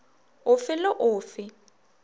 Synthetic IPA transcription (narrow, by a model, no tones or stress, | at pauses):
ʊfɪlɪʔʊːfɪ